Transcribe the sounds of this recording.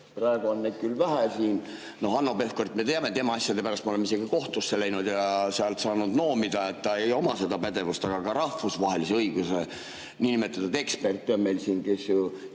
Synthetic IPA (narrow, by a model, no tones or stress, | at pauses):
prɑeɡ̥uonːed̪̥̚kylvæɦæsiːn | no̞hɑnːo̞pe̞fkort̪me̞t̪eɑme̞t̪emɑɑsʲjɑd̪e̞pæɾɑst̪meolemise̞ɡ̥iko̞ht̪usːe̞læjnud̪̥jɑseɑlt̪sɑːnud̪no̞ːmid̪ɑet̪ːɑejo̞mɑse̞d̪ɑpæd̪̥e̞vust̪ɑɡ̥ɑkɑɾɑhfusvɑɦelise̞ɤiɡ̥use | niːnimet̪ːˑɑt̪ɑt̪e̞kspe̞rt̪ːˑonme̞jlsiːnke̞sju